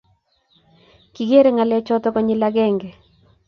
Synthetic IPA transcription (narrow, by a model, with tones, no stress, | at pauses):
ki˨ɡe˦ɾe˨ŋa˨lɛ˦t͡ʃɔ˦t̪ɔ˦kɔ˨ɲɪ˦la˦ɡɛ˦˨ŋɡɛ˨